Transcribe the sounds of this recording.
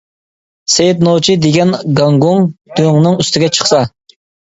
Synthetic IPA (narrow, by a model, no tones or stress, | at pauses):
sejt̪not͡ʃʰid̪eɡʲɛnɡɑŋɡoŋd̪̥øŋnɨŋyst̪ʰɪɡʲɛt͡ʃʰə̥χsɑ